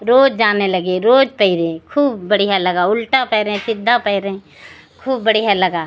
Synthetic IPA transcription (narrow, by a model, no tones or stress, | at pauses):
ɾoːd͡ʒd͡ʒaːnelɐɡeɾoːd͡ʒpəɪɾẽkʰuːbːɐɽ̤ijalɐɡaʊlʈapɛːɾẽsɪd̪ʱːapɛɪɾɛ̃ | kʰuːbːəɽijalɐɡaː